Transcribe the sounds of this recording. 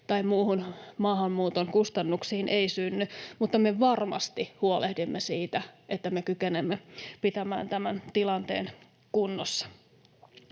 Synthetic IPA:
t̪ɑimmuːhunmɑːhɑmːuːt̪oŋkust̪ɑnːuksiːnʔeisynːymut̪ːɑmeʋɑrmɑ̰st̪ihuolehdimːesiːt̪æʔet̪ːæmekykenemːepit̪æmæ̰ːnt̪æmænt̪ilɑnt̪ḛːn | kunːosːɑ̥

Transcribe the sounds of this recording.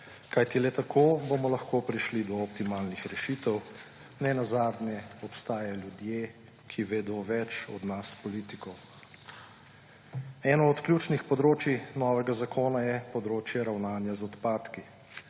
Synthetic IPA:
kajt̪ilɛt̪akʰoːbomɔlɐxkopɾiʃlid̪ɔɔp̚t̪imaːlnixɾɛʃit̪ɛw | nɛnazaːd̪njɛɔpst̪aːjaljud̪jeː | kʰiʋeːd̪ɔʋɛt͡ʃɔ̰d̪naspɔliːt̪ikɔw | ɛːnɔɔt̪klʲjuːt͡ʃnixpɔd̪ɾoːt͡ʃinɔːʋɛɡazakʰoːnajɛpɔd̪ɾoːt͡ʃjɛɾawnaːnjazɔt̪paːt̪ki

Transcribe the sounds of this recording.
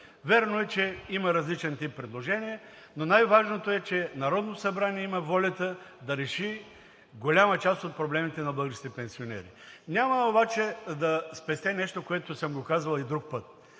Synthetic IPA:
vʲɛɾnoɛt͡ʃɛimɐɾɐzlit͡ʃɛnt̪ipːɾɛd̪lˠoʒɛniɛ | nonajvaʒnot̪oɛt͡ʃɛnɐɾɔd̪nosɐbɾaniɛimɐvɔlʲɐt̪əd̪ɐɾɛʃi | ɡolʲamət͡ʃast̪ot̪̚pɾoblɛmit̪ɛnɐblɤɡəʃi̥t̪ɛpɛnsionɛ̰ɾḭnʲaməobat͡ʃɛd̪ɐspɛst̪ɛnɛʃt̪okoɛt̪osəmɡokazvɐlˠid̪ɾuk̚pət̪̚

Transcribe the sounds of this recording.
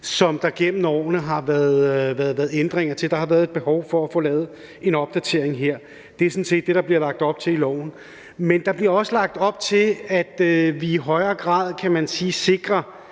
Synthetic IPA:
sɒ̽md̥ɑ̈ɡ̥em̰m̩ɒ̰ːnəɦɑ̈ʋæɐðˠʋæɐðˠæːɐð̩ˠend̥ʁeŋɐt͡sʰe̝ld̥ɑ̈hɑ̈ʋæɐð̩ˠed̥̚b̥e̝hɒʊfɒ̽æfɔ̽lɛːð̞̩ˠ | e̝nɒ̽b̥d̥æt͡sʰe̝ɐeŋɦe̝ɐ̰ | d̥e̝æɐsɒ̽nse̝̰ːd̥ːe̝ɾ̥ɑ̈b̥liɐlɑ̈ɡ̥̚d̥ɒ̽b̥̚t͡sʰe̝lilɒ̰ʊ̰n̩ | mend̥ɑ̈b̥liɐɒ̽səlɑ̈ɡ̥̚d̥ɒ̽b̥̚t͡sʰe̝læd̥ʋiːɦɒ̽ɪɐːɡ̥ʁɑ̰̈ːð̞ˠkʰæmænsiːse̝ɡ̥ʁɐ

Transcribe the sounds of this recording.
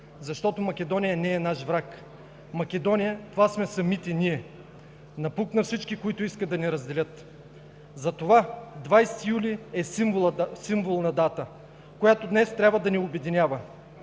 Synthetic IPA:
zɐʃt̪ɔt̪omɐkʲɛd̪ɔnijɐnɛːnaʃvɾak | mɐkʲɛd̪ɔnijət̪ovasmɛsɐmit̪ɛniɛ | nɐpuknɐfsit͡ʃkikoit̪ʊiskəd̪ɐnɛɾɐzd̪ɛlʲət̪ | zɐt̪ovad̪vajsɛ̥t̪ijuliɛsimvˠsimvolˠnɐd̪at̪ə | kojat̪od̪nɛst̪ɾʲabvəd̪ɐniobɛd̪inʲjavɐ

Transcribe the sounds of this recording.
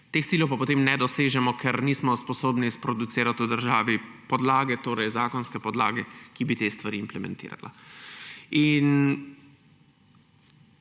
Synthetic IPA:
t̪ext̪siljɛwpapot̪emnɛd̪ɔseːʒɛmɔkʰɛɾniːsmɔspɔsoːbnispɾɔd̪ut̪siːɾat̪ud̪əɾʒaːʋipɔd̪laːɡɛt̪oːɾɛjzaːkɔnskɛpɔd̪la̰ːɡɛkibit̪est̪ʋaɾiːmplɛmɛ̰̃nt̪ḭːɾa̰la̰ | in

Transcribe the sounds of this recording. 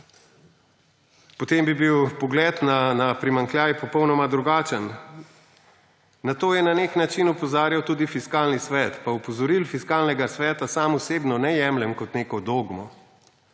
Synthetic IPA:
pɔt̪embibiwpɔɡlɛːt̪nanapɾimaŋkljaːjɛpɔpɔwnɔmad̪ɾuɡaːt͡ʃən | nat̪oːjɛnaneknat͡ʃinupɔzaːɾjawt̪uːd̪ifiskaːlnisʋɛːt̪paupɔzɔɾilfiskaːlnɛɡasʋɛːt̪asaːmɔseːbnɔnɛjɛːmlɛmkɔt̪neːkɔd̪oːɡmɔ

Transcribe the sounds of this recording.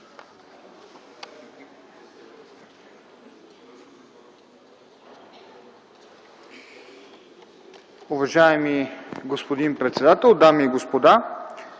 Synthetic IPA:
ʊvɐʒaɛmiɡospod̪inpɾɛt̪sɛd̪at̪ɛlˠd̪amiɡospod̪a

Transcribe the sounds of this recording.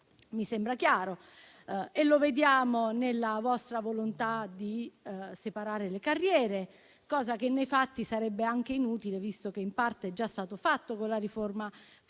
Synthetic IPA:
misembɾakjaːɾo | elːoved̪jaːmonelːavɔst̪ɾavolont̪ad̪isepaɾaːɾelekarːjɛːɾe | kɔːzak̟enːejfat̪ːisaɾɛbːeaŋk̟einuːt̪ilevist̪ok̟eimpart̪eɛd͡ʒːast̪aːt̪ofat̪ːokonlaɾiforma

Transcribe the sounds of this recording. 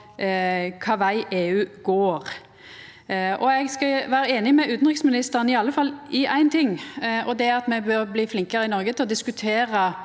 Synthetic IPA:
kʰɑːʋæɪʔeːʉːɡoːʁ | ʔɔɛɡskɑʋæːɾəeːnɪmɛʔʉːt̪n̩ʁɪksmɪnɪst̪əʁənɪɑlːəfɑlːɪʔæɪnt̪ʰɪŋːʔɔd̪ɛɑt̪mɛbøɾbliːflɪŋkəɾəɪnɔɾɡət̪ʰɪlɔd̪ɪskʉt̪ʰeːɾə

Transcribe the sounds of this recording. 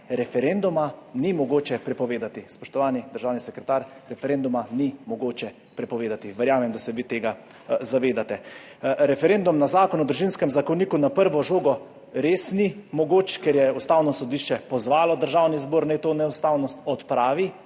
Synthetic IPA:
ɾɛfɛɾend̪umanimɔɡoːt͡ʃɛpɾɛpɔʋeːd̪at̪ispɔʃt̪ɔʋaːnid̪əɾʒaːwnisɛkɾɛt̪aːɾɾɛfɛɾeːnd̪umanimɔɡoːt͡ʃɛ | pɾɛpɔʋeːd̪at̪iʋəɾjaːmɛmd̪asɛʋit̪eːɡa | zaʋeːd̪at̪ɛ | ɾɛfɛɾend̪umnazaːkɔnɔd̪ɾuʒinskɛmzakoniːkunapəɾʋɔʒoːɡɔ | ɾeːsnimɔɡoːt͡ʃkɛɾjɛust̪aːwnɔsɔd̪iʃt͡ʃɛpɔzʋaːlɔd̪əɾʒawnizboːɾnɛjt̪oːnɛust̪aːwnɔst̪ɔt̪pɾaːʋi

